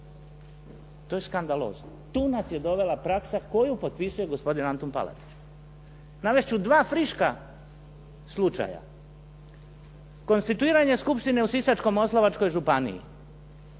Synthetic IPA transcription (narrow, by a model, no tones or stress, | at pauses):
t̪o̞je̞skand̪alo̞̰ːznot̪uːnasje̞d̪o̞ʋe̞lapɾaksako̞jupo̞t̪̚pisuje̞ɡo̞spo̞d̪inant̪onpa̰la̰t̪i̥t͡ɕ | naʋeʃt͡ʃud̪ʋaːfɾiʃka | slˠut͡ʃa̰ja̰ | ko̞nst̪it̪uiːɾaɲe̞skupʃt̪ine̞usisat͡ʃko̞mo̞slˠaʋat͡ʃko̞jʒupanḭḭ